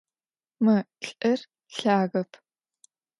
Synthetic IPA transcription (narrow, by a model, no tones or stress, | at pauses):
mɨɬʼɨr | ɬaːɣɐpʰ